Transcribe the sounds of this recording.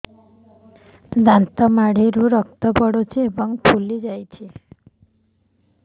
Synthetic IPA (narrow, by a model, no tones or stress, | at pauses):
d̪ant̪ɔmaɽ̤iɾuɾɔk̚t̪ɔpɔɽot͡ʃʰiebɔŋpʰulid͡ʒajt͡ʃʰi